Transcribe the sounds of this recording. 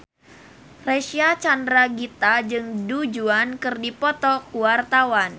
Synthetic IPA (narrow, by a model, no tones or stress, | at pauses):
reʃiat͡ʃandɾaɡit̪ad͡ʒɨŋdud͡ʒuankɨrdipɔt̪ɔkuwart̪awan